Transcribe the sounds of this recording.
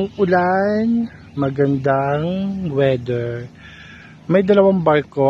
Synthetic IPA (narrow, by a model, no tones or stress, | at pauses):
ŋʔʊlan | mɐɡɐnd̪aŋwɛːd̪ɛɹ | mɐjd̪ɐlɐwaŋbaɾko